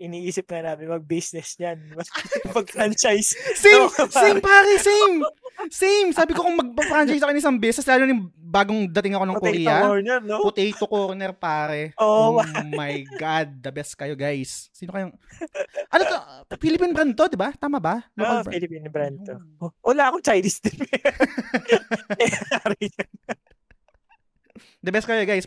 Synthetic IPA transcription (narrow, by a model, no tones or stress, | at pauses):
ʔɪniːʔiːsɪp̚ŋɐnaːmɪnmɐɡ̚bisnɛsɲanmɐpɐɡ̚fɾant͡ʃajssɛmsɛjmpaːɾɛsejmsɛjmsaːbɪkokʊŋmɐɡ̚mɐɡ̚fɾant͡ʃajsɐkonŋɪsɐŋbɛsɛslaːlonjɪŋbaːɡoŋd̪ɐt̪ɪŋɐko̞nɐŋkʊɾiːɐoɾnɛɾnokʊt̪ɛjt̪okoɾnɛɾpaːɾɛʔo | ɐjɡad̪̚ːɐbɛskɐjoɡajsːiːnokɐjoŋ | ʔɐnot̪ofilɪpinbɾɛnt̪o̞d̪ɪbat̪aːmɐbɐlɐailɪpinbɾɛnt̪owɐlaɐkot͡ʃajd̪isd̪ɪp | aɾɛ | d̪ɐbɛs̚kɐjoɡajs